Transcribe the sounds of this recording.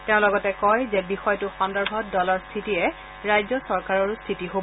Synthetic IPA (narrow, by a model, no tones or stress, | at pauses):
teʊ̃lɔɡɔtɛkɔjzɛbixɔjtʊxɔndɔɹbʱɔt̚dɔlɔɹstʰitijɛ | ɹajzɔsɔɹkaɹɔɹstʰitiɦob